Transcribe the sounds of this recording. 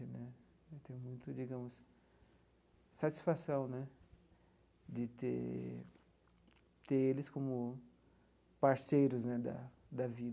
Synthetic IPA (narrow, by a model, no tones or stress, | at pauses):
ɪnɛ | t̪ẽj̃mũj̃t̪ʊd͡ʒiɡɐ̃mʊs | sat͡ʃi̥sfasɐ̃w̃nɛ | d͡ʒ̪ɪt̪ḛ | t̪eɾelɪskõmʊ | paɾsejɾʊznɛd̪ɐ̰ | d̪ɐvid